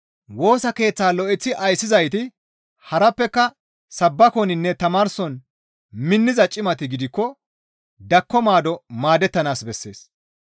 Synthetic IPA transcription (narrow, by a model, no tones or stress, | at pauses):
wo̞ːsɐke̞ːt͡sːaːlɔʔɪt͡sːɪʔɐjsːɪzɐjt̪ɪ | hɐɾɐpːɛkːɐ | sɐbːɐkɔnɪnːɛt̪ɐmaːɾsɔn | mɪnːɪzɐt͡ʃʼɪmɐt̪ɪɡɪd̪ɪkːɔ | d̪ɐkːɔmaːd̪ɔmaːd̪ɛt̪ːɐnaːsbɛsːe̞ːs